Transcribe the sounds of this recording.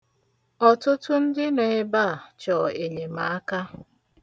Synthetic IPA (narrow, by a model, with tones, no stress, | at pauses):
ɔ˨tʊ˦tʊ˦n̩˦dɪ˦ne˨ɪ˦ba˦˨t͡ʃɔ˨e˨ɲe˨ma˨a˦ka˦